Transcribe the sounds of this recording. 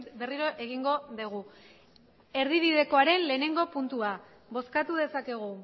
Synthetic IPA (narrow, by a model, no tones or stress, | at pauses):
be̞riɾo̞ʔe̞ɣ̞iŋɡo̞ðeɣ̞u | e̞ɾðiβiðe̞ko̞aɾe̞nle̞ːne̞ŋɡo̞punt̪ua | βo̞skat̪uð̞e̞sake̞ɣ̞u